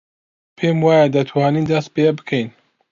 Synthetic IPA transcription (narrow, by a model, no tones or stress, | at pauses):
pʰemwaːjad̪ɐt̪ʰwaːniːnd̪ɐst̪̚peɛbɨ̥kʰɛjn